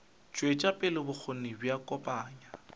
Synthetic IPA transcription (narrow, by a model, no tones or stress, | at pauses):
t͡ʃʼwet͡ʃʼapʼɪlɪbʊk͡xʰonɪbjakʼɔpʼaːɲa